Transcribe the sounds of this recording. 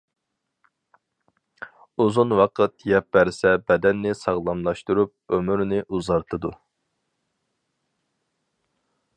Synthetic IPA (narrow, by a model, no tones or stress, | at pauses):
uzunwɑqʰɨt̪jɛp̚bɛɾsɛbɛd̪ɛnːɪsɑʁlˠɑmlˠɑʃt̪uɾup̚ømyɾnɪʔuzɑɾt̪ʰɨd̪u